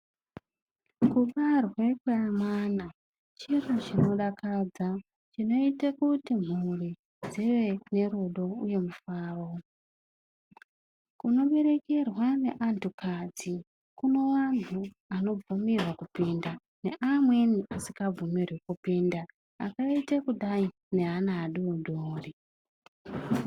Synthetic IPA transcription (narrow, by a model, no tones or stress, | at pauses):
kuɓarwe̞kweamana | t͡ʃirut͡ʃino̞ɗakad͡za | t͡ʃino̞itakutim̤uri | d͡ziʋe̞ne̞ɾuɗo̞uje̞mufaːro̞ | kuno̞ɓe̞ɾe̞ke̞rwane̞̰ʔandukad͡zi | kuno̞wantu | ano̞b͡vumirwakupinda | ne̞̰ʔamwe̞niʔasikab͡vumirwekupiːnda | a̰kaitakuɗai | ne̞ɦanaːɗuodʱoːri